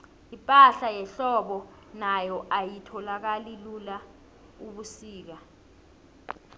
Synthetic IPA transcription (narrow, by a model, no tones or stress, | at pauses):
ipʼaɬajɛɬɔɓɔ | najɔʔajitʰɔlak̬alilula | uɓusiːk̬a